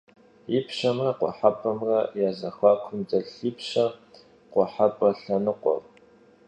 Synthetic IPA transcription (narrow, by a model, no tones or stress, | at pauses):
ipʃɐmrɐqʷɔ̰ħapʰʼɐmrɐjaːzɐxʷaːkʷʰʊmd͡zɐɬiːpɕɐ | qʷɔħapʼɐɬɐnɨqʷʼɔ̰r